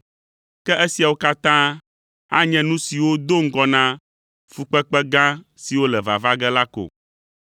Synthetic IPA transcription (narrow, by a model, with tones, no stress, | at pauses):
kɛ˦ʔe˦si˨a˨wo˦ka˦t̪ã˦ | a̰˦ɲɛ̃˦nũ˦si˨wo˦d̪o˦ŋ̩˦ɡɔ˦nã˦ | fu˨k͡pɛ˦k͡pɛ˦ɡã˦ | si˨wo˦lɛ˨va̰˨va˦ɡɛ˦la˦ko̰˨